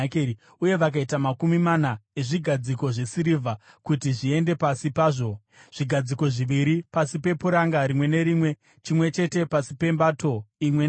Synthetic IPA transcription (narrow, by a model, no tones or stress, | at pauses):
k | uje̞ʋak̬aitamakumimanae̞ʐiɡʱad͡ziko̞ʐe̞siɾivʱa | kutiʐie̞nde̞pasipaːʐo̞ | ʐ̥iɡʱad͡ziko̞ʐiʋiɾipasipe̞puɾaŋɡaɾimwe̞ne̞ɾimwe̞ | t͡ʃimwe̞t͡ʃe̞te̞pasipe̞mbato̞imwen